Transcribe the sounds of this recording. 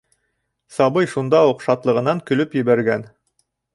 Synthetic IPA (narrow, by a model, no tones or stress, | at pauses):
sɑbɤjʃund̪ɑuqʃɑt̪lˠɤ̆ʁɤ̆nɑŋkɵ̆lɵpjɘ̆βæɾɡæn